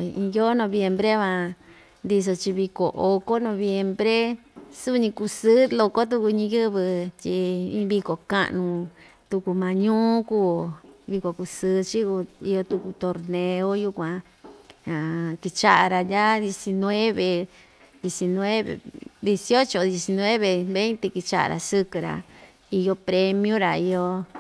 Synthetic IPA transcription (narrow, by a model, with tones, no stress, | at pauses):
ĩ˧jo˦nõ˧βje˧mbɾe˦βã˧ | nd̪i˧s̬o˧t͡ʃi˧βi˧ko̰˨ʔo˧ko˦nõ˧βje˧mbɾe˦su˦˧ɲĩ˧ku˧sɨ˦lo˧ko˦t̪̬u˦ku˧ɲĩ˧jɨ˦βɨ˧t͡ʃi˧ĩ˧˦βi˧ko˨ka̰˦˧ʔnũ˧t̪u˧ku˧mã˧ɲũː˦kuː˦˨βi˧ko˨ku˧sɨː˦t͡ʃi˦ku˧i˧jo˧t̪u˧ku˧t̪o˧ɾnẽ˧o˦ju˦kʷã˧ | ã˨ki˧t͡ʃa˦ʔa˨ɾa˧a˦ðje˧si˧nwe˦βe˨ | d̪je˧si˧nw̃e˦βḛ˨d̪e˧si˧o˦t͡ʃo˧ðje˧si˧nwe˦βe˧˨βe˦nt̪e˧ki˧t͡ʃa˦ʔa̰˧ɾa̰˨sɨ˧kɨ˧ɾa̰˨ | i˧jo˧pɾe˧mj̃ũ˦ɾa˨i˧jo˧